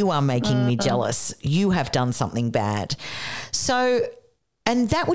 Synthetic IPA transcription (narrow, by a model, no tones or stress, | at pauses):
ɨə˞meɪkɪ̃ŋmid͡ʒɛlˠə̰sjɨɨvdʌ̃nsʌ̃mθɪ̃ŋbæ̰d̥soʊ | ɨ̃nðɨʔwʔə